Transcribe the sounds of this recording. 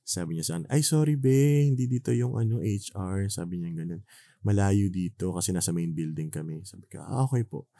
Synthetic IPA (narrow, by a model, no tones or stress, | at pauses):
saːbɪɲɐsɐʔɐnʔɐjsoːɾibɛhɪnd̪id̪iːt̪o̞jʊŋʔɐ̰no̞ʔejt͡ʃʔaɹsa̰ːbɪɲɐŋɡɐnon | mɐlaːjud̪iːt̪o̞kɐsɛnaːsɐmejnbɪld̪ɪŋkɐmɛsaːbɪkɐ̰ʔa̰ʔoːkɛjpo̞̰ʔ